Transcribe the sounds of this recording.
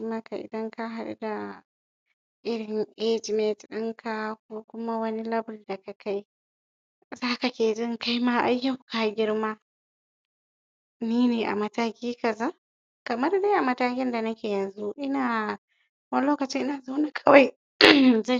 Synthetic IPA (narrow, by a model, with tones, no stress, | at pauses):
ma˦ka˨ʔɪ̰˨dɐ˦ŋka˦ɦa˨ɗṵ˦da˨ | ʔɪ˦ɾɪ˨nʔe˦d͡ʒi˨me˨tɗɐ˦ŋkʰa˦k̚u˦kʷʊ˦ma˦wɐ˦ni˦lɐ˦blda˨ka˨ka˦j | zaː˦ka˨kʲeː˨dɪ˦ŋka˦jma˦ʔa˦jːɐ˦wka˨˦ɡʲɪ˦ɾma˦ | niː˦neː˨ʔa̰˨mɐ˨taː˦kʲiː˦kɐ˨za˦ | kɐ˨mɐ˦ɾda˦ʔa˨mɐ˨taː˦kʲɪ˦nda˨nɐ˦kʲeː˨jɐ˨nzu˦ʔɪ˦naː˨ | wɐ˦nloː˦kɐ˨t͡ʃɪ˦ʔɪ˦naː˨za˦wna˨kʰɐ˦wa˦j | za˦j